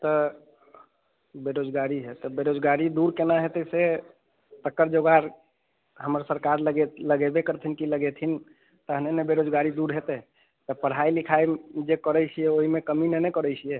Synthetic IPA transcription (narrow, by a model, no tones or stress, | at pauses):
t̪ɔ | beɾod͡ʒɡaɾiɦet̪ɔbeɾod͡ʒɡaɾid̪uɾkenaɦet̪ɛse | t̪əkːəɾd͡ʒoɡaɾ | ɦəməɾsəɾkaɾləɡeləɡebekəɾt̪ʰinkiləɡet̪ʰin | t̪əɦnenebeɾod͡ʒɡaɾid̪uɾɦet̪ɛ | t̪əpəɽ̤ɦailikʰaemd͡ʒekəɾɛt͡ʃʰijɛoɦimekəminenekəɾɛt͡ʃʰijɛ